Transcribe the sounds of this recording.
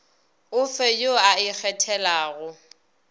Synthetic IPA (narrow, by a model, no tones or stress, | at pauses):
ʊfɛjoaɪk͡xʰɛtʰɛlaːɣʊ